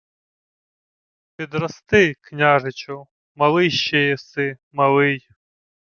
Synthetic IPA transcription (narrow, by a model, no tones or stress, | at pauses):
pʲid̪rɐst̪ɪknʲaʒɪt͡ʃʊ | mɐlˠɪʃːɛjɛsɪ | mɐlˠɪj